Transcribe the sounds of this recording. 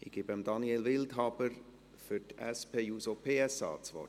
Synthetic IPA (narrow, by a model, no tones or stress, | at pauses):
ɪɡ̥iːbəmd̪ɑnielʋɪltɦɑb̥əɾ | fʏtɛ̰spʰeːjuːsopʰeːɛsɑ̰ːt͡sʋɔ̰